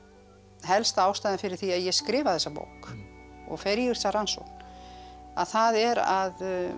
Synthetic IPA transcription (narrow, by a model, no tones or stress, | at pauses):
ɦɛlst̪aːwst̪ajðɪnfɪɾɪɾ̥θiaðjɛskɾɪːvaθɛsːapo̰ːwkɔ̰ɣfɛɾjʏsaranso̰wkn | a̰ðθaðɛɾað